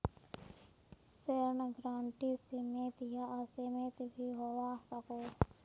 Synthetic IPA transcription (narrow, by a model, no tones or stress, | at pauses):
seɾnɡɾaːɳʈisemet̪jaʔsemet̪bʱiɦoɾasako